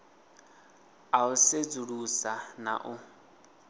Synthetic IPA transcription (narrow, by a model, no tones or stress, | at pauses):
aused͡zuɺusana̰ʔʊ